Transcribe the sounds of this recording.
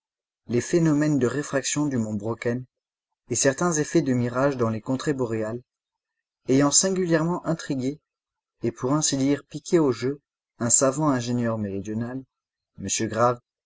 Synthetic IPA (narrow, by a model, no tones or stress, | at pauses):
lefenɔmɛnd̪əʁefχaksjɔ̃d̪ymɔ̃bʁɔkɛn | esɛʁt̪ɛ̃zefɛd̪əmiʁaʒd̪ɑ̃lekɔ̃t̪χebɔʁeal | ejɑ̃sɛ̃ɡʲyljɛʁmɑ̃ʔɛ̃t̪χiɡʲeː | pʰuʁɛ̃sid̪iʁpikʲʰeoʒø | ɛ̃savɑ̃ɛ̃ʒenjœʁmeʁid̪jɔnal | məsjøɡʁav